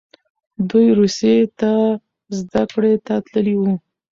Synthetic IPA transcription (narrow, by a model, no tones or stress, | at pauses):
d̪ujɾusjet̪a | zd̪akɽet̪at̪ləliwu